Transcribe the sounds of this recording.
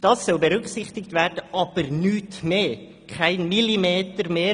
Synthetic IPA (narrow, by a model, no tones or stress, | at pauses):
d̥ɑsːɔlbəɾʏksɪχtɪkt̪vɛɾdəʔɑːb̥əɾnyːtmeː | kʰaɪnmilimeːtəɾmeː